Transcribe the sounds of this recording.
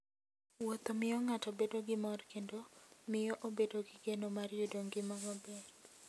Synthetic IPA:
wot̪omɪjɔŋatɔbedoɡɪmɔrkendomɪjɔʔobedoɡɪɡenomarjodoŋɡɪmɔɡɔbe

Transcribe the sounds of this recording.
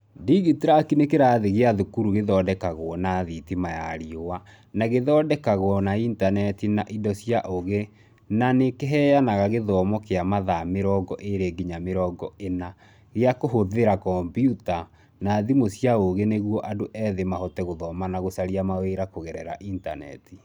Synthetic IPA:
diɣitɾakinekeɾaðeɣeaðukuɾuɣeðɔːdɛkaɣwɔnaðitimajaɾiowa | naɣeðɔːdɛkaɣwɔnaintanɛtinaʔidɔsjaʔoɣe | nanekeɦɛjanaɣaɣeðɔːmɔkeamaðameɾɔɡɔʔeɾeɡiɲameɾɔɡɔena | ɣeakoɦoðeɾakɔmbjuta | naðimosjaoɣeneɣwɔʔadoʔɛːðemahɔtɛɣoðɔːmanaɣosaɾiamaweɾakoɣɛɾɛɾa̰ʔinta̰nɛ̰ti̥

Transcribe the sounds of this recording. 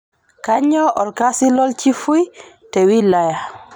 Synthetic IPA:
kaɲɔʔɔlkasilɔlt͡ʃifuj | tɛwilaja

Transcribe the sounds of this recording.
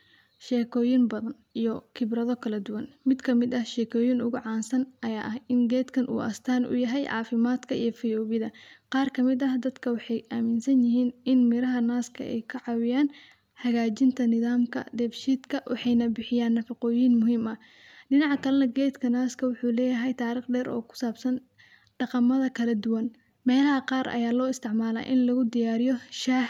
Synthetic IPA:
ʃɛːkʰɔːjɪnbɐðɐn | ijɔkʰɪbrɐðɔkʰɐlɐd̪ʊwɐnmɪd̪kʰɐmɪd̪ɐhʃɛːkʰɔːjinʊɣʊʕɑːnsɐnʔɐjaːʔɐhɪŋɡɛːd̪kʰɐnʔṵːʔɐ̰st̪ʰaːnʔʊ̰jɐɦɛjʕɑ̰ːfɪmaːd̪kʰɐijɔfɪjɔːβɪðɐqɑːrkʰɐmɪd̪ɐhd̪ɐd̪kʰɐwɑħɑjʔaːmɪnsɐnjɪɦiːnɪnmɪɾɐɦɐnaːskʰɐ̰ʔɛ̰jkʰɐʕɑwɪjaːn | ħɑɣaːt͡ʃɪnt̪ʰɐnɪðaːmkʰɐ̰d̪ɛːbʃiːd̪kʰɐwʔɑ̰ħɑjnɐbɪħɪjaːnːɐfɑqɔːjiːnmʊɦiːmɐ | ɖɪnɑʕkʰɐlɐnɐɡɛːd̪kʰɐnaːskʰɐwʊħuːlɛːjɐɦɛjt̪ʰaːɾiːχɖɛːɾɔ̰ːkʰʊ̥saːbsɐn | ɖ̥ɑqɑmɐðɐkʰɐlɐd̪ʊwɐn | mɛːlɐɦɐqɑːɾʔɐ̰jaːlɔːɪst̪ʰɪʕmaːla̰ːʔɪnlɐɣʊd̪ɪjaːɾɪjɔʃaːh

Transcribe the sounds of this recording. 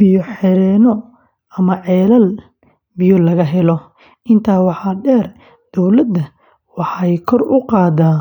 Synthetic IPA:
b̥ɪjɔħɛɾɛːnɔ | ɐmɐʕɛːlɐl | bɪjɔlɐɣɐɦɛlɔ | ʔɪnt̪ʰaːwɑħɑɖɛːr | d̪̥ɔwlɐd̪ɐ | wɑħɑjkʰɔrʊqɑːðaː

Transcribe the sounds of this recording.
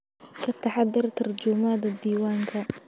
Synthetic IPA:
kʰɐt̪ʰːɐħɑðːɪrt̪ʰɐrd͡ʒʊmaːd̪ɐd̪iːwaːŋkʰɐ

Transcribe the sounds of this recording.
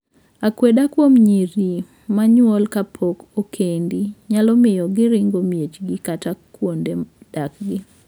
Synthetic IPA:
akwedakwomɲiɾi | maɲwɔlkapʰokokʰendiɲalɔmɪjɔɡɪɾɪŋɡomjet͡ʃɡɪkatakwonded̥akɡɪ

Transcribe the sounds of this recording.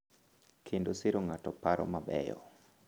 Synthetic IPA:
kʰendosiɾoŋatɔpaɾɔ̰mabɛ̰jɔ̰

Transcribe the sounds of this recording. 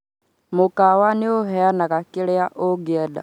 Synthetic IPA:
mukawanioɦɛanakakilɛaʔoɡɛda̰

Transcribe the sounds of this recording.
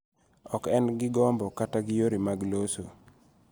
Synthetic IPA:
ɔkɛnɡɪɡɔmbɔkataɡɪjoɾimaɡloso

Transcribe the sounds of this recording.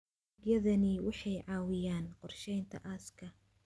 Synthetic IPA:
ɡjɐðɐnɪwɑħɑjʕɑːwɪjaːnqɔrʃɛjnt̪ʰɐ̰ʔɐːskʰɐ

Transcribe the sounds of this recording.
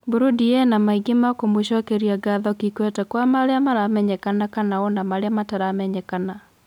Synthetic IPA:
buɾodiɛnamaiɡemakomweʃɔkeɾiaɡaðɔkikwɛtɛkwamaɾeamaɾamɛɲɛkanakanaɔnamaɾeamataɾamɛɲɛkana

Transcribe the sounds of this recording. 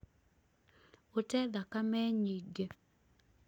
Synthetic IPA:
otɛd̪akamɛɲiɡe

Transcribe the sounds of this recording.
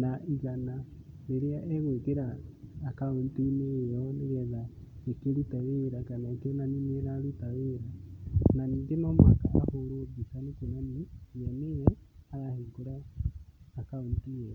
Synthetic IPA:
naʔiɣana | neɾeaʔɛɣwekeɾaːkaontinejɔneɣɛða | ekeɾutaweɾakanakenanineɾaɾutaweɾananiːŋɡenɔmwaka̰ːhoɾoɡisanekonaniameɾɛaɾaheːŋɡoɾaː | kaontiɛa

